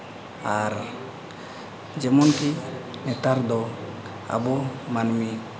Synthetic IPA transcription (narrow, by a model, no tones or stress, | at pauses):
aɾ | d͡ʒemunki | nɛt̪aɾd̪o | a̰bumanmi